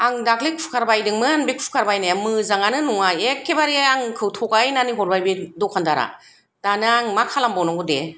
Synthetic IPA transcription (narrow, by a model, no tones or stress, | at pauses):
aŋdaklikʰu̥kʰaɾbajdɯŋmɯanbikʰu̥u̥kʰaɾbajnajamɯzaŋanɯnuŋajekʰːebaɾiaŋkʰɯwtʰɔkajnaniɦɔɾbajbedɔkʰandaɾa̰ | danɯaŋmakʰalambɔnɔŋɡɯde